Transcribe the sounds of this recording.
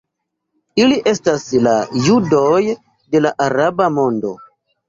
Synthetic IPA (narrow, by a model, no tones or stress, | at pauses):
iliʔe̞staslajudo̞j | de̞laʔaɾabamo̞ndo̞̰